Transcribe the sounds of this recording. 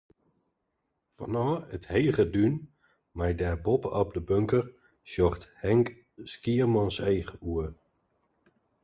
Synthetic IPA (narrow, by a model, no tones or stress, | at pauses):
fɔ̰nɔːəthejχədyn | majdɛrbɔpɔp̚dəbøŋkər | sjɔχthɛŋk | skiərmɑnsejχəuə